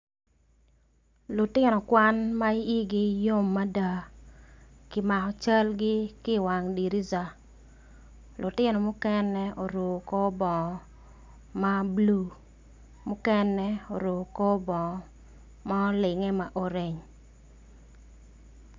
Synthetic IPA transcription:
lʊ˨tɪ˦nɔ˨kwa˦nma˦i˦i˦ɡɪ˦jo˦mːa˦da˨ | kɪ˦ma˨kɔ˨t͡ʃa˦lɡɪ˦kɪ˦˨wa˨ŋdi˨ɾi˦za˨ | lʊ˨tɪ˦nɔ˨mʊ˦kɛ˦nːɛ˦o˨ɾo˨ko˦bɔ˨ŋɔ˨ | ma˦blu˨ | mʊ˦kɛ˦nɛ˦o˨ɾo˨ko˦bɔ˨ŋɔ˨ | ma˦ɔ˦lɪ˨ŋɛ˦ma˨ʔo˨ɾe˨ɲ

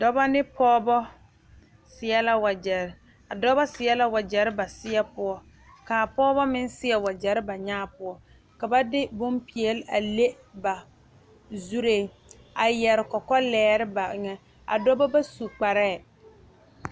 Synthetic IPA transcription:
dɔ˦ba˦nɪ˦pʰɔː˦bɔ˦ | sɪ˨ɛ˦la˦wa˨d͡ʒɛ˨ɾɪ˨˦ | a˨dɔ˦bɔ˦sɪ˨ɛ˦la˦wa˨d͡ʒɛ˨ɾɪ˦ba˨sɪ˦ɛ˦pʊ˦ɔ˦ | ka˨pɔː˦bɔ˦mɪ˦nsɪ˦ɛ˦wa˨d͡ʒɛ˨ɾɪ˦ba˨ɲaː˦˨pʊ˦ɔ˦ | ka˨ba˦dɪ˦bʊ˦mpi˨ɛ˨lɪ˦a˨le˦ | ba˨ | zu˦ɾe˦˨ | a˨jɛ˨ɾɪ˨kɔ˨kɔ˦lɛː˨˦ɾɪ˦ba˨˦ŋɛ˦ | a̰˨dɔ˦bɔ˦ba˦su˨k͡pa˨ɾɛː˦˨

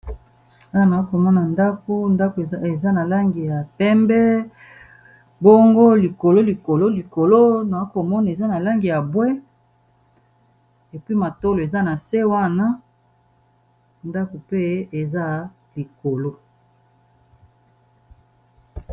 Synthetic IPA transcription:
a˦wa˨na˨˦ko˨mɔ˦na˨nda˦ko˦nda˦ko˨e˨za˦na˨la˦ŋɡi˨ja˨pɛ˦mbɛ˦ | bo˦ŋɡo˦li˨ko˨lo˦li˨ko˨lo˦li˨ko˨lo˦na˨˦ko˨mɔ˦na˨e˨za˦na˨la˦ŋɡi˨ja˨bwɛ˦ | e˨pi˦ma˨to˦lo˨e˨za˦na˨se˦wa˦na˦ | nda˦ko˨pe˦e˨za˦ | li˨ko˨lo˦

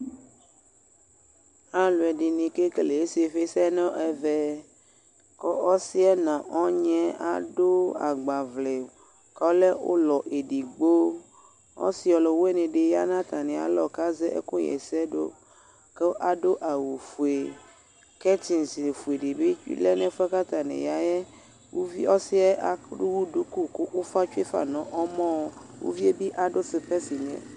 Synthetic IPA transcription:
a˦lu˨ɛ˨ɖi˨nĩ˨ke˦ke˨le˨e˦si˦e˨ɸe˦sɛ˦nɔ̃˦ʔɛ˨vɛ˦ | kɔ˦ʔɔ˦si˦ɛ˦nã˨ʔɔ˦ɲɛ̃˦a̰˦ɖo˦a̰˨ɡ͡ba˨vle˨ | kɔ˦le˦wo̰˦lɔ˨ʔe˨ɖi˨ɡ͡bo˦ | ɔ̰˦si˦ɔ˨lɔ˨we˦nẽ˨ɖe˨ja˦nã˦t̪ã˨nĩ˨a̰˨lɔ˨ka˦ze˦ʔḛ˦ku˦jɛ̰˨sɛ˦ɖo̰˦ | ke˦ʔa˨ɖo˦ʔa˨wu˨fu˨e˨ | kɛ˦t̪i˨n˨si˨e˨fu˨e˨ɖe˨be˦le˦nɛ̃˦fɛ˦ka˦t̪a˨nɛ̰̃˨ja˨jɛ˦ | wo˦vi˦ɔ˦si˦ɛ˦ʔa˨˦u˦wu˦du˦ku˦ko˦o˦fa˦t͡ʃu˦e˦fa̰˨nɔ̃˨˦ʔɔ˦mɔ̃˦wo̰˦vi˦e˦bi˦ʔa˨ɖo˦se˨pe˦si˨ɲɛ̰̃˦˨

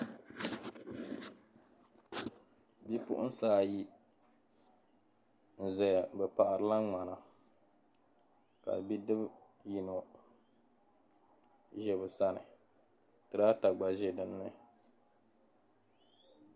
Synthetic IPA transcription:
bi˦pʊ̰˦ʔʊ̰˦n˦saː˦ji˦ | n̩˨zɛ˨bɛ˨pa˨ʔa˨ɾɨ˨la˦ŋ͡ma˨na˨ | ka̰˨bi˦dɨ˦b | ji˨no˨ | ʒɛ˨bɨ˨sa˦nɨ̰˨ | tɨ˨ɾa˦ta˨ɡ͡ba˨ʒɛ˨dɨ˨nː˦ɨ˦

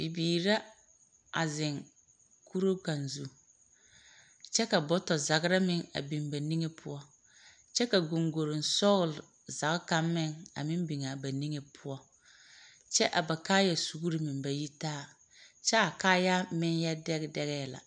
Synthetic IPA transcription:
bi˨biː˨ɾa˦ | a˨zɪ˨ŋ | ku˦ɾo˦ka˨nzu˦ | t͡ʃɛ˦ka˨bɔ˦tɔ˨za˨ɣɾa˦mɪ˨ŋa̰˨bi˨mba˨ni˦ŋe˦pʰʊ˦ɔ˦ | t͡ʃɛ˦ka˨ɡo˨ŋɡo˨ɾɪ˨n˨sɔ˦ɣl | za˨ɣka˦mːɪ˦˨ŋa̰˨mɪ˦mbi˨ŋa˨ba˨ni˦ŋe˨pʰʊ˦ɔ˦ | t͡ʃɛ˦ʔa˨ba˨kaː˦ja˨su˨ɣu˦ɾɪ˨mɪ˨mba˨ji˦taː˦˨ | t͡ʃɛ˦a˨kaː˦ja˦mɪ˦nja˦dɛ˦ɣdɛ˦ɣɛ˦la̰˨

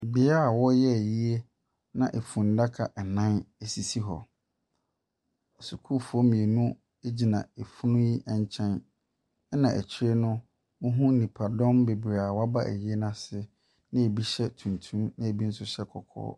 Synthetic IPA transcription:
bɪ˨˦a˦˨wɔ˦jɛ˦æ˨ji˦e˦ | nã˦ʔe˨fũ˨n˦da˦kʰa˨ʔɛ˨nã˦ne˨si˨si˦ɦɔ̰˨ | su˨kʰu˦fu˨ɔ˦mĩ˨e˨nũ˦ | e˦d͡ʑi˨nã˨e˨fu˦nʊ̃˦ji˦ʔɛ˦ɲ˦t͡ɕʰɛ̃˦n˦ | nã˨ʔæ̰˨t͡ɕʰɪ˦ɾe˦nʊ̃˦ | wʊ˦ɦũ˦nĩ˨pʰa˨dɔ̃˦mbe˨bɾe˨a˨wa˦ba˦ʔæ̰˨ji˦e˦nã˨sɪ˦ | nɪ̃˦e˨bi˦ɕɛ˦tʰũ˨ntʰũ˦mnã˦e˨bi˦n̩˦sʊ˦ɕɛ˦kʰɔ̰˨kʰɔ̰ː˦

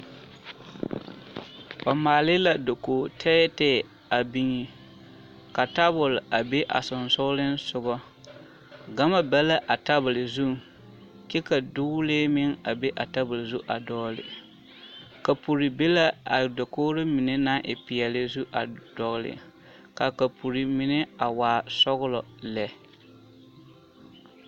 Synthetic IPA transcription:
ɔ˨maː˨lɪ˦la˨do˨koː˨tʰɛ˦tɛː˦˨ | a˨bi˦ŋi˨ | ka˨ta˦bʊ˨lʔa˨be˦ʔa̰˨sʊ˨n˨sʊ˦lɪ˦n˦sʊ˦ɣɔ˦ | ɡa˦ma˦bɛ˦la˦ʔa˨ta˦bʊ˨lɪ˨zu˦ | kɛ˦ka˨dʊ˦leː˦mɪ˦ŋa˨be˦ʔa˨ta˦bɪ˨lɪ˨zu˦ʔa˨dɔː˦lɪ̰˨ | ka˨pu˨ɾi˨be˦la˦a˨dɔ˨koː˦ɾɪ˦mɪ˨ne˦na˦ʔɪ̰˨pɪ˨ɛ˨lɪ˦zu˦ʔa̰˨d̥ɔ˨ɣlɪ̰˨ | ka˨ka˨pu˨ɾi˨mɪ˨nɪ˦a˨waː˨sɔ˦ɣʊ˦lɔ˨lɛ˨

